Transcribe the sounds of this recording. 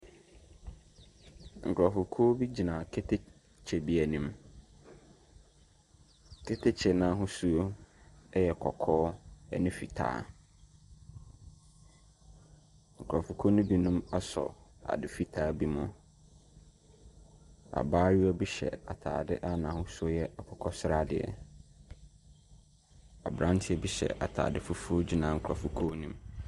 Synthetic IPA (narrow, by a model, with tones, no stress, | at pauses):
ŋ̩˨kʰʊ˨a˨fʊ˨kʰɔ˦bi˦d͡ʑi˨nã˨kʰe˦tʰe˦ | t͡ɕʰɛ˨bi˦æ˨nĩ˦m | kʰe˦tʰe˦t͡ɕʰɛ˨nã˦ɦʊ̃˦su˦o˦ɛ˦jɛ˨kʰɔ̰˨kʰɔː˦ɛ˦nɪ̃˦fi˨tʰa̰ː˨˦ | ŋ̩˨kʰʊ˨ɾa˨fu˨kʰo˦nʊ̃˦bi˦nũ˦ma˦sɔ̰˨a̰˨dɪ˨fi˦tʰaː˦˨bi˦mʊ̃˦ | a̰˨baː˦ɥu˦ɔ˦bi˦ɕɛ̰˨a˨tʰa̰ː˨dɪ˦ʔa˦nãː˨hʊ̃˦su˦o˦jɛ˦a˨kʰɔ˨kʰɔ˦sʊ˦ɾa˦˨dɪ˨ɛ̰˨ | a̰˨bɾã˦ntʰɪ˦ɛ˦bi˦ɕɛ̰˨ʔa̰˨tʰa̰ː˨dɪ˦fʊ˦fu˦o˦d͡ʑi˦nã˨ŋ̩˨kʰɾa˨fu˨kʰo˦nĩ˦m